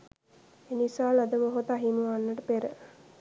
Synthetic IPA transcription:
enisaːlɐd̪əmoɦot̪ɐɦinuʋaːnːəʈəpeɾə

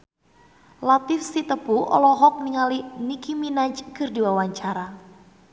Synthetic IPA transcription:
lat̪ɪfsit̪əpuʔɔ̰lɔɦɔk̚niŋalinikiminat͡ʃkɨrdiwawaɲt͡ʃaɾa

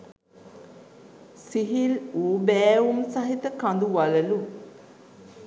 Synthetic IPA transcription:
siɦiluːbɛːumsaɦit̪əkand̪uʋaləlu

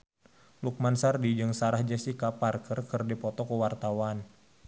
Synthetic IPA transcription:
luk̚mansardid͡ʒɨŋsaɾahd͡ʒɛsikaparkərkərdipɔt̪ɔkəwart̪awan

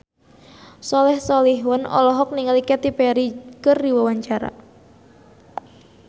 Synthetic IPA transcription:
sɔlɛhsɔlɪhwənɔ̰lɔɦɔk̚niŋəlikɛt̪ipɛɾikərdiwawaɲt͡ʃaɾa̰

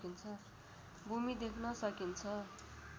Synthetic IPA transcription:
kint͡sʰʌ | bʱumid̪ekʰnʌsʌkint͡sʰʌ

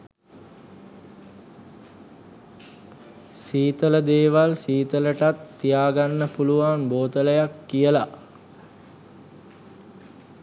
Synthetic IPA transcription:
siːt̪ələd̪eːʋalsiːt̪ələʈat̪ːijaːɡanːəpuluʋanboːt̪ələjakːijəla

